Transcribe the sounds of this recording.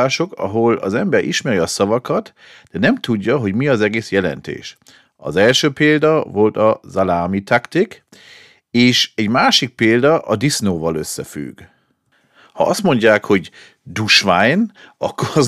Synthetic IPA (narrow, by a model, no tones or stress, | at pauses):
aːʃo̞kɒ̰ɦo̞lɒ̰zɛmbɛɾʔḭʃmɛɾiɒsɒvɒkɒt̪ | d̪̥ɛnɛmt̪uɟːɒɦo̞ɟmiɒzɛɡeːsjɛlɛ̰nt̪ḛːʃ | ɒ̰zɛlʃøːpeːld̪ɒvo̞lt̪ɒzalaːmit̪akt̪ik | eːʃɛɟmaːʃik̚peːld̪ɒʔɒd̪isnoːvɒlø̞sːɛfy̰ɡ | hɒ̰ʔɒst̪mo̞ɲɟaːkho̞ɟ | d̪uʃʋajnɒkːoɾɒz